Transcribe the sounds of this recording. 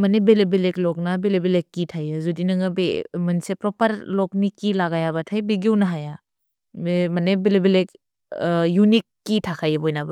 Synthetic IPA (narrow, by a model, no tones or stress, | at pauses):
mɐnebelebeleklɔk̚nabelebelekːitʰajɯzudinɯŋɐbemɐnsepɾɔpɐɾlɔk̚mikːilaɡajabɐtʰajbiɡiwnɐɦaja | emɐnebelebelek̚ | junikːitʰakʰajɯbɔjnabɐ